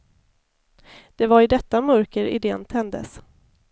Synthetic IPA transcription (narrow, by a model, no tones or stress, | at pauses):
d̪̥ɛvaɾɪd̪ɛt̪ːamœɾkəɾɪ̰d̪eːnt̪ʰɛnd̪ə̰s